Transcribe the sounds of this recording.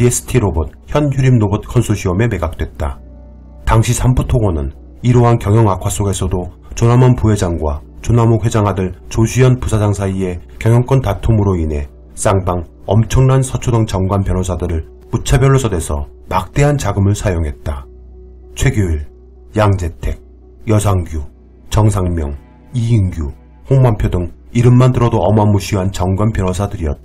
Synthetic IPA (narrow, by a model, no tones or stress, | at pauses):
ies͈ʰɯ̥tʰiɾobʌt̚çjʌnçjuɾimnobʌt̚kʰʌnsʰoɕʰiʌme̞me̞ɡak̚t͈wet̚t͈a | taŋɕʰisʰambutʰoɡʌnɯn | iɾoɦankjʌŋjʌŋakʰwas͈oɡe̞sʰʌdo | t͡ɕonamʌnpuɦe̞d͡ʑaŋɡwat͡ɕonamowe̞d͡ʑaŋɦadɯɭt͡ɕoɕʰiʌnpusʰad͡ʑaŋsʰaie̞kjʌŋjʌŋk͈wʌntatʰomɯɾoinɦe̞ | s͈aŋbaŋ | ʌ̰mt͡ɕʰʌŋnansʰʌt͡ɕʰodʌŋt͡ɕʌŋɡwanpjʌnosʰadɯɾɯɭ | put͡ɕʰabjʌɭːosʰade̞sʰʌmak̚t͈e̞ɦant͡ɕaɡɯmɯɭsʰajoŋɦe̞t̚t͈a | t͡ɕʰwe̞ɡoɭ | jaŋd͡ʑe̞tʰe̞ɡ̚ | jʌs̬ʰaŋɡju | t͡ɕʌŋsʰaŋmjʌ̰ŋ | iiŋɡju | hoŋmampʰjodɯŋiɾɯmːandɯɾʌdoʌmamuɕʰiɦant͡ɕʌŋɡwanpjʌnosʰadɯɾiʌt̚t͈